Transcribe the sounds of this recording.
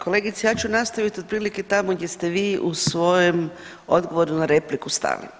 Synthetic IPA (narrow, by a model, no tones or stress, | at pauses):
kʰo̞le̞ɡit̪sejaːt͡ʃunast̪aʋit̪od̪̚pɾiːliket̪amoɡje̞st̪e̞ʋiːʔusʋo̞jem | o̞d̪ɡo̞ʋo̞ɾunnaɾe̞plikust̪a̰lḭ